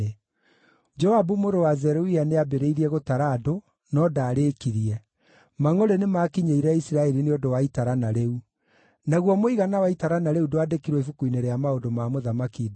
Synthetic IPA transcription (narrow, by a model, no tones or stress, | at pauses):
e | d͡ʒɔabumoɾowazɛɾoianeabeɾeiɾiɛɣotaɾaːdo | nɔdaːɾeːkiɾiɛ | maŋoɾenemaːkiɲeiɾɛisiɾaɛɾineodowaitaɾanaɾeu | naɣwɔmoiɣanawaitaɾanaɾeudoadekiɾwɔifukuineɾɛamaodomaːmoðamakid